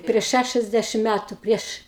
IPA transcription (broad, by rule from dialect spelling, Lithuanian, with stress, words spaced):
pʲrʲiɛʃ ˈʃʲæʃʲɛzʲdʲɛʃʲɪm ˈmʲætʊ ˈpʲrʲiɛʃ